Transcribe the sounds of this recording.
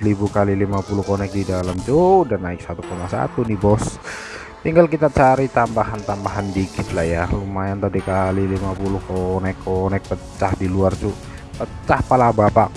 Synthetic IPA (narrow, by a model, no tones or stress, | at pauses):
libukalilimapulʊhkonɛk̚didalamt͡ʃudanːaɪk̚sat̪ukomasa̰t̪unibɔs | t̪iŋɡalkit̪at͡ʃaɾit̪ambaɦant̪ambaɦandiɡɪt̪lahjalumajant̪adikalilimapulʊhkonɛkʰːonɛk̚pət͡ʃahdiluart͡ʃu | pət͡ʃahpalabapaʔ